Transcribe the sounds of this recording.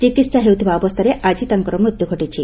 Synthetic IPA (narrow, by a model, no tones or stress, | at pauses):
t͡ʃikit̪ːsaɦewt̪ʰibaːbɔst̪ʰɔɾeʔad͡ʒʱit̪ɐŋkɔɾɔmɾut̪juɡʱɔʈit͡ʃʰi